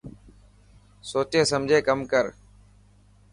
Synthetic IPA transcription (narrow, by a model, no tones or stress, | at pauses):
soːt͡ʃeːsəmd͡ʒʱeːkəmkəɾ